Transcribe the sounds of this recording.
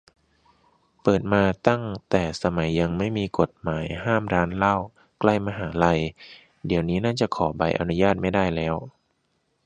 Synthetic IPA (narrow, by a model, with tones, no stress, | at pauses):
pɤː˨˩t̪̚maː˧t̪a˥˩ŋt̪ɛː˨˩sa˧ma˩˦jːa˧ŋma˥˩jmiː˧ko˨˩t̪̚maː˩˦jhaː˥˩mɾaː˦˥nla˥˩w | kla˥˩jmaː˧ɦaː˩˦la˧j | di˩˦əwniː˦˥naː˥˩t͡ɕa˨˩kʰɔː˩˦ba˧jʔa̰˧nu˦˥jaː˥˩t̪̚ma˥˩jdaː˥˩jlɛː˦˥w